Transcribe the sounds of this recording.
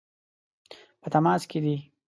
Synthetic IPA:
pət̪amɑːsked̪i

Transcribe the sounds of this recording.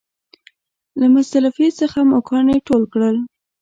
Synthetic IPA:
lamʊsalafisəxamakʰɑneʈolkɽəl

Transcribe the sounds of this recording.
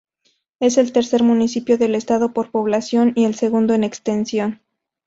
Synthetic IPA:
e̞se̞lt̪e̞ɾse̞ɾmũnisipjo̞ðe̞le̞st̪aðo̞po̞ɾpo̞βlasjo̞nie̞lse̞ɣund̪o̞ene̞kst̪e̞nsjo̞n

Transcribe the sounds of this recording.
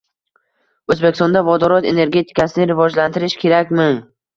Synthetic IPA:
ɵzbekʲʰːɪst̪ɔnd̪avɒd̪ɒɾɒt̪e̞ne̞ɾɡʲe̞t̪ʰɪ̥kasɪnɪɾɪvɒd͡ʒlant̪ʰɪɾɪʃkʲʰe̞ɾakʲmɪ

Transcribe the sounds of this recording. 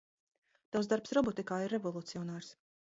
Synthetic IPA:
t̪awsd̪aɾpsɾɔbɔt̪ikaːiɾːevɔlˠut̪siɔnaːɾs

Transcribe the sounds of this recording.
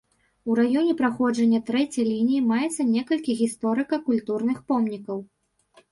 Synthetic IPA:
uɾajɔnʲɛpɾaxɔd͡ʐɐnʲːɐt̪ɾɛt͡sʲɐjlʲinʲijimajɛt̪sːɐnʲɛkɐlʲkʲiɣʲist̪ɔɾɨkɐkulʲt̪urnɨxpɔmnʲikɐw

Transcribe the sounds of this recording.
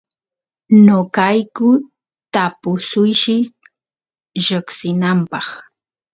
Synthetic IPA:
nokajkʊ | t̪apʊsʊjʃɪ | ɾɪksɪnampɑχ

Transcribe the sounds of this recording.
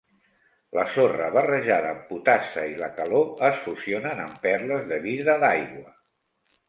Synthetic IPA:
ləsorəβərəʒaðəːmput̪asəiləkəloəsfusionənəmpɛɾləzðəβiðəðajɣwə

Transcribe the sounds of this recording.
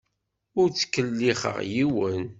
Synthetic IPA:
ʊɾt͡sːə̥kːəlːiχə̰ʁjiwən

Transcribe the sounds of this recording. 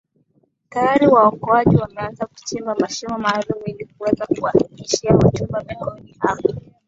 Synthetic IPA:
tajaɾiwaɔkɔaʄiwamɛanzaku̥t͡ʃɛmbamaʃɔmɔmaːlumuilik̚uwɛzakuwahiliʃiahɔtubavaɡɔniʔama

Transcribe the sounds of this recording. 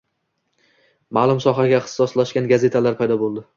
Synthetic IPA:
maːlˠʊmsɒɦaɡʲaɪχt̪ɪ̥sɒslaʃkʲanɡaze̞t̪ʰalaɾpʰajd̪ɒbolˠd̪ɪ

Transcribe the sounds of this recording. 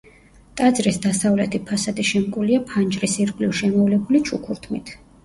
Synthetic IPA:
t̪ʼad̪zɾisd̪asavlɛt̪ʰipʰasad̪iʃɛmkʼuliapʰand͡ʒɾisiɾkʼliʃɛmɔvlɛbulit͡ʃʰukʰuɾt̪ʰmḭt̪ʰ

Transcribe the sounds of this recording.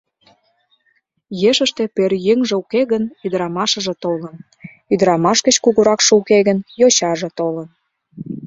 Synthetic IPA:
jeʃə̆ʃt̪ĕpørjəŋʒĕukeɣənyd̪əɾɑmɑʃɤ̆ʒĕt̪olən | yd̪əɾɑmɑʃɣə̆t͡ɕkuɣuɾɑkʃɤ̆ukeɣənjoɕɑʒĕt̪olə̆n

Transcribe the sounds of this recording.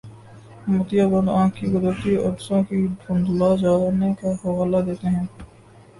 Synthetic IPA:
mʊt̪ijabə̃nd̪ãːkːiɡʊd̪əɾt̪iɐ̰ʈsõkibʱʊ̃nd̪lad͡ʒaːɾnekaxɐɣaːlad̪eːt̪eɦɛ̃ː

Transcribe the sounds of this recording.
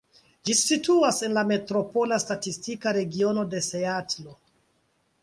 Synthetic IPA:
d͡ʒisituase̞nlame̞tɾo̞po̞lastatistikaɾe̞ɡio̞no̞de̞se̞atlo

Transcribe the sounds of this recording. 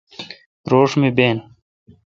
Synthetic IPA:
ɾoːʂmibeːn

